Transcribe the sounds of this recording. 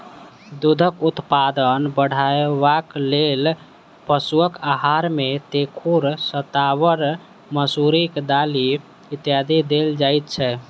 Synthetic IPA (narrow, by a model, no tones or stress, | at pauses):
d̪ud̪ʱəkut̪pad̪ənbəɽ̤aebaklel | pəsuəkaɦaɾmet̪ekʰuɾsət̪aβəɾ | məsuɾikd̪ali | it̪jad̪ʱid̪eld͡ʒajt̪̚t͡ʃʰɛ